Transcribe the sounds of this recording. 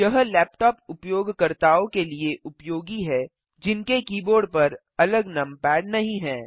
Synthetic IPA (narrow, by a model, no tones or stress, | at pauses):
jɐɦlɛːp̚ʈɔːpʊpjoːɡkɐɾt̪aːõkelieʔʊpjoːɡiɦɛː | d͡ʒɪnkekiːboːɾɖpɐɾ | ɐləɡnɐmpɛːɽnɐɦĩɦɛ̃ː